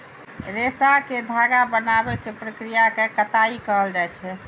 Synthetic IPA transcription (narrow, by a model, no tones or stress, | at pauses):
ɾesaked̪ʱaɡabənabɛkepɾəkɾijakekət̪aikəɦəld͡ʒaɛt͡ʃʰɛ